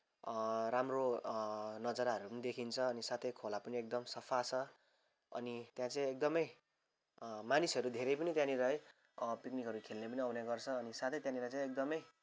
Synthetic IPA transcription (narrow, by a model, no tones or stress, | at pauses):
ramro | nʌd͡zʌɾaɦʌɾupʌnid̪ekʰint͡sʰʌːnisat̪ʰʌjkʰolapʌniek̚d̪ʌmsʌpʰat͡sʰʌ | ʌ̰nit̪jãt͡saj̃ek̚d̪ʌmʌj | manisʌɾud̪ʱeɾʌjpʌnit̪jãniɾʌe | piknikɦʌɾukʰelnepʌniʌwneɡʌrt͡sʰʌːnisat̪ʰʌjt̪jãnilat͡sãĩj̃ek̚d̪ʌmʌj